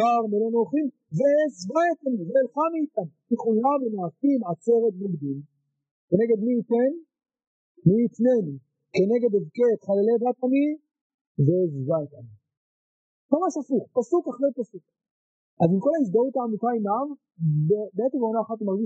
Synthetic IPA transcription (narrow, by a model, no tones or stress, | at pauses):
aʁmelenoχim | veezbaet̪aniveːlχamiːt̪ankiχujavenaːkimʕat͡se̞ʁet̪̚boɡd̪im | ke̞neɡe̞d̪miːt̪en | miːt̪ne̞ni | ke̞ne̞ɡed̪evket̪χalelebat̪ani | vezvaet̪ani | mamaʃafuχpasukaχlepasuk | ʔazimko̞lais̬d̪aut̪aːmitaimav | bebeetevonaːχat̪imaʁɡiʃ